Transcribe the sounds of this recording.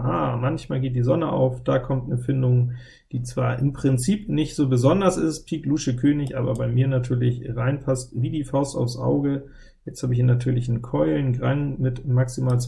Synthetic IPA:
ʔa̰ːmançmaːlɡeːt̚d̥iːzɔnəʔa̰ʊfd̥aːkʰɔmtnəfɪndʊŋ | d̥iːt͡sv̥aːɐʔɪmpʁ̥ɪnt͡siːpnɪçtz̥oːbəzɔndɐsɪst̚pʰiːkluːʃəkʰøːnɪçʔaːbɐbaɪmiːɐnatʰyːɐlɪçʁaɪnpʰastviːdiːfaʊsta̰ʊfsʔa̰ʊɡə | jɛt͡sthaːbəɪçhiːnatʰyːɐlɪçnənkʰɔʏlnɡʁaŋmɪtmaksimaːlt͡s

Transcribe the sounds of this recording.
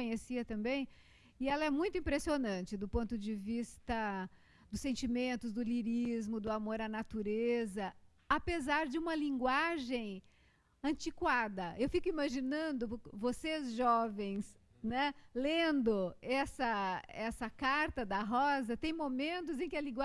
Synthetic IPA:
õɲesiɐt̪ɐ̃mbẽj̃ | ɪɛlɐɛmũj̃t̪ʊĩpɾesionɐ̃t͡ʃɪd̪ʊpõnt̪ʊd͡ʒɪvist̪ɐ | d̪ʊsẽnt͡ʃimẽnt̪ʊzd̪ʊliɾizmʊd̪ʊamoɾɐnat̪uɾezɐ | apezaɾd͡ʒɪũmɐlĩŋɡwaʒẽj̃ | ɐ̃t͡ʃikwad̪ɐewfikʊimaʒinɐ̃nd̪ʊɾkvosezʒɔvẽj̃s | nɛlẽnd̪ʊɛsɐɛsɐkaɾt̪ɐd̪ɐɦɔzɐt̪ẽj̃momẽnt̪ʊzẽj̃kɪɐlĩɡwa

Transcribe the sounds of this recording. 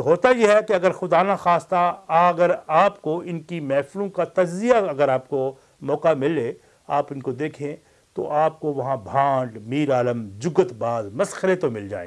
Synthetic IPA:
ɦoːt̪ajeɦɛkeɐɡəɾxʊd̪aːnaxaːst̪aɐɡəɾaːpkoɪnkimɛːflõkat̪ɐd͡ʒzijaɐɡəɾaːp̚ko | mɔːqamɪle | aːpɪnkod̪eːkʰẽ | t̪o̰ʔaːp̚koʋɐɦãbʱãːɖmiːɾaːləmd͡ʒʊɡət̪baːzmɐsxəɾet̪omɪld͡ʒa̰ːḛ

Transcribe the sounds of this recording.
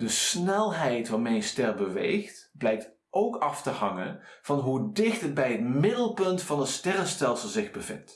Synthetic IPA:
d̥əsnɛlˠɦɛjtvɑnmɛjnstɛrbəʋḛjxtblɛjk̚t | ʔowkɑftəɦɑŋə̰nv̥ɑnɦudɪxtəd̚bɛjɦətmɪdəlˠpɵntfɑnənstɛrənstɛlˠsəlˠzɪɣbəvɪ̰nt

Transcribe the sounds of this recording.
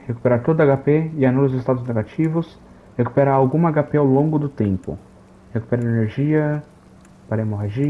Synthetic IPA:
heku̥peɾaɾt̪od̪ʊaɡapeɪanulʊzɪst̪ad̪ʊzneɡat͡ʃivʊs | heku̥peɾaawɡũmɐaɡapeawlõɡʊd̪ʊt̪ẽmpʊ̰ | heku̥peɾaɾeneɾʒiɐ | paɾemoɦaʒi

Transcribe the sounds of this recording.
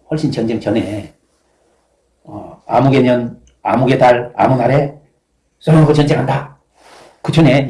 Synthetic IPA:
hwʌɭɕ͈int͡ɕʌnd͡ʑeŋt͡ɕʌne | ʌa̰muɡemjʌn | a̰muɡe̞daɾa̰munaɾe̞ | s͈ʰʌɾʌŋɡot͡ɕʌnd͡ʑeŋɦanda | kɯt͡ɕʌne̞

